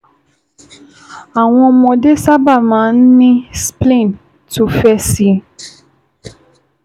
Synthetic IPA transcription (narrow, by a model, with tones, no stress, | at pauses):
a˨w̃ɔ̃˧mɔ̃˧de˦sa˦ba˦˨mãː˨˦n̩˦nĩ˦splẽ˦˨n | to˦fɛ˦si˦